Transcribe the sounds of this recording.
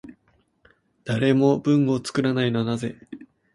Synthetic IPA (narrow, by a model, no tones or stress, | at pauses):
d̪̥aɾe̞mo̞bɯ̟̃ŋo̞t͡sɨ̥kɯ̟ɾanaino̞naze̞